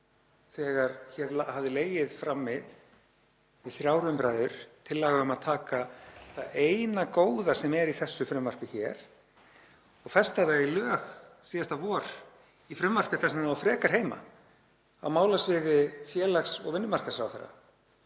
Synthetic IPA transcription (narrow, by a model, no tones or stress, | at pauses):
θɛːɣaɾçɛɾlahavðɪleːjɪðfɾamːɪð | vɪðθɾjaːwɾʏmpɾaːjðʏɾ̥t̪ʰɪlːaːɣaʏmaðt̪ʰaːkaθaeːjnakoːwðasɛmɛɾiθɛsːʏfɾʏmvar̥pɪçɛːɾ̥ | ɔɣfɛst̪aðaɣilœːxsiːðast̪avɔːɾ̥ | ifɾʏmvar̥pɪθasnnafɾɛːkaɾ̥ɦejma̰ | awmaːwlasvɪðɪfjɛːlaxsɔ̰ɣvɪnːʏmar̥kasɾawθɛɾːa̰